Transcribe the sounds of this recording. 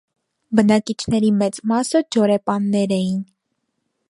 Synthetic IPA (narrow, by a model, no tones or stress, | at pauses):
bənɑkit͡ʃʰnɛɾimɛt͡smɑsəd͡ʒɔɾɛpɑnːɛɾɛjin